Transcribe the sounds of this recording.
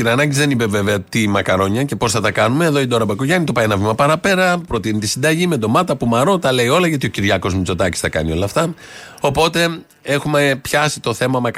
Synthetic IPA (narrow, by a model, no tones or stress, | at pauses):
inɐnɐɟizðe̞nipe̞ve̞veɐt̪imɐkɐɾo̞ɲɐce̞po̞sθɐt̪ɐkɐnume̞ːðo̞id̪o̞ɾɐbɐko̞ʝɐnit̪o̞pɐienɐvimɐpɐɾɐpe̞ɾɐpɾo̞t̪init̪isind̪ɐʝimed̪o̞mɐt̪ɐpumɐɾo̞t̪ɐle̞io̞lɐʝɐt̪io̞ciɾʝɐko̞zmit͡so̞t̪ɐci̥st̪ɐkɐ̰nio̞lɐft̪ɐ | o̞po̞t̪e̞ | e̞xume̞pçɐsit̪o̞θe̞mɐmɐk